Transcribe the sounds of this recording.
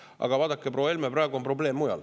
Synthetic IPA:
ʔɑ̰ɡ̥ɑvɑːd̪̥ɑkːˑeprowelmeprɑˑeɡuo̞mpro̞ble̞ːmːujɑ̰l

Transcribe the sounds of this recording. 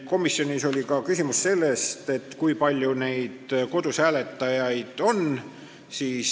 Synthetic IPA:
ko̞misːjo̞nʲiso̞lʲikɑkysʲimusse̞lːe̞st̪e̞t̪ːˑkujpɑlʲjune̞jd̪̥ko̞d̪̥usæːle̞t̪ːˑɑjɑjd̪̥o̞n | siːs

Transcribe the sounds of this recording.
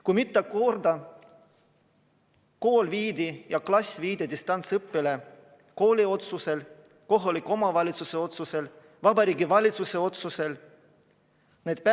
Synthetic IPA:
kujmit̪ˑːɑko̞rd̪ɑ | ko̞ːlviːd̪ijɑklɑsʲviːd̪̥ed̪ist̪ɑnt̪sɤpːile | ko̞ːlʲio̞t̪suse̞l | ko̞ɦoliko̞mɑvɑlʲit̪suse̞o̞t̪suse̞l | vɑbɑɾiːɡivɑlʲit̪suse̞o̞t̪suse̞l | ned̪̥̚p

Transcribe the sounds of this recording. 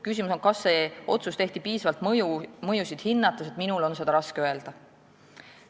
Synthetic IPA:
kysimuso̞ŋkɑsːe̞o̞̰t̪sust̪e̞ht̪ipiːsɑvɑlt̪mjumɤjusid̪̥hinːɑt̪ːˑeset̪minulo̞nse̞d̪ɑɾɑskeøe̞ld̪̥ɑ

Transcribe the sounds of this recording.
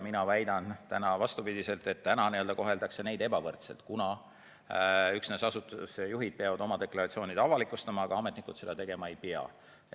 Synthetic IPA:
minɑvæjd̪̥ɑnt̪ænɑvɑst̪upid̪ʲise̞lt̪e̞t̪ːænɑniøld̪ɑko̞ɦe̞ld̪ɑkse̞nejd̪̥ebɑvɤrt̪sḛlt̪kunɑ | yksnesɑsut̪ːusejuɦid̪̥̚peɑvɑd̪̥o̞mɑd̪̥e̞kˑlɑɾɑt̪sioːnid̪ɑvɑlikːˑust̪ɑmɑːɡ̥ɑɑme̞t̪ˑnikˑud̪̥se̞d̪ɑt̪e̞ɡ̥e̞mɑe̞jpeɑ̰

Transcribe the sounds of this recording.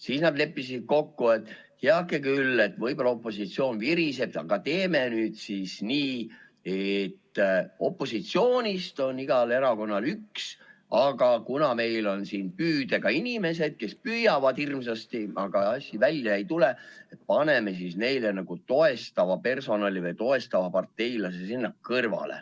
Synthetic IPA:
siːsnɑd̪le̞pːisid̪̥̚ko̞kːue̞t̪ːˑ | heɑkːˑekylːe̞t̪ːˑvɤjbolɑo̞pːˑo̞sit̪sio̞ːnviɾiseb̚ɑ̰ɡ̥ɑt̪e̞ːme̞nyːd̪̥sisniː | e̞t̪ːo̞pːˑo̞sit̪sio̞ːnʲist̪o̞niɡ̥ɑle̞ɾɑko̞nːɑlyksɑɡɑkunɑme̞jlo̞nsiːnpyːd̪̥e̞ɡ̥ɑinʲime̞se̞d̪̥̚ke̞spyjɑvɑd̪irmsɑst̪iɑɡ̥ɑɑsʲːivælʲjɑejt̪uleet̪̚pɑne̞me̞sisne̞jlenɑɡ̥ut̪o̞e̞st̪ɑvɑpe̞rso̞nɑlivɯjt̪o̞e̞st̪ɑvɑpɑrt̪ːˑe̞jlɑsesinːɑkkɤrvɑ̰lḛ

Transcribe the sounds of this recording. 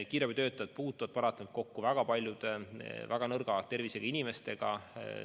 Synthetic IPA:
kiːɾebit̪ø̞ːt̪ːˑɑɑt̪̚puːt̪ːˑuvɑd̥̪̚pɑɾɑt̪ːˑɑnut̪̚ko̞kːuvæɡ̥ɑpɑlʲjud̪̥evæɡ̥ɑnɤrɡ̥ɑt̪e̞rviseɡ̥ɑinime̞st̪e̞ɡ̥ɑ̰

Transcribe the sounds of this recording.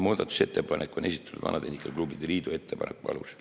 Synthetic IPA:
moːd̪̥ɑt̪u̥se̞t̪ːepɑnʔekːˑonʔe̞sʲit̪ːˑɑ̥nṵd̪vɑ̰nʔɑd̪e̞hnʲikˑːelklubid̪eriːd̪ue̞t̪ːepɑnḛkupɑ̰lṵs

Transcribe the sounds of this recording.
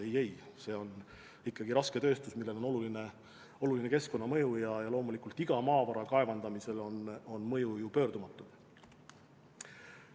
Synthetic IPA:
ejejse̞ːo̞n | ikːˑɑɡ̥iɾɑske̞t̪ø̞ːst̪usmilːe̞lo̞no̞luline | o̞luline̞ke̞sko̞nːɑmɤ̞jujɑjɑlo̞ːmulikˑult̪ˑiɡ̥ɑmɑːvɑɾɑkɑe̞vɑnd̪̥ɑmise̞lo̞no̞nmɤ̞jujupø̞ːɾd̪̥umɑt̪ːˑu̥

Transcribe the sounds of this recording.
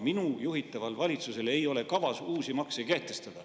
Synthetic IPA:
minujuɦit̪ːˑɑvɑlvɑlʲit̪suse̞le̞jo̞le̞kɑvɑsuːsimɑksejkæːht̪ːˑe̞st̪ɑd̪̥ɑ

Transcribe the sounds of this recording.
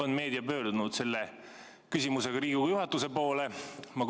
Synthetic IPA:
onme̞ːd̪̥iɑpø̞ːɾd̪̥unud̪̥se̞lːe | kysʲimuse̞ɡ̥ɑɾiːɡ̥uɡjuɦɑt̪ːˑuse̞po̞ːlemɑk

